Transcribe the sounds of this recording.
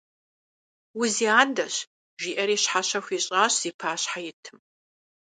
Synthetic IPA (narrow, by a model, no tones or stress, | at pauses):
wʊziaːdɐɕ | ʒiːʔɐɾiːɕħaɕɐxʷiɕʼaːɕz̥iːpʰaːɕħajɪtʰɨm